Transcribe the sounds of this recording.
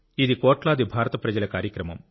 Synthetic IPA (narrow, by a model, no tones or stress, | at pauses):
iðikoːʈlaːd̪ibʱaːɾɐt̪ɐpɾɐd͡ʒɐlɐkaːɾjɐkɾɐmɐ̰m